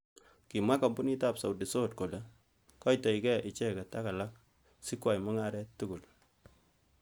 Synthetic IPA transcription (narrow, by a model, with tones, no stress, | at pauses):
ki˨mwa˦ka˨bu˦ni˦ta˨psa˨wdi˨so˦t̚ko˨lɛ˨ | kɔ˦jta˨i˨kɛ˦ʔi˨t͡ʃɛ˦ka˨ta˦ka˨la˦k̚ | si˦kwa˨jmɔ˦ŋa˦ɾɛ˦tːu˦ku˨l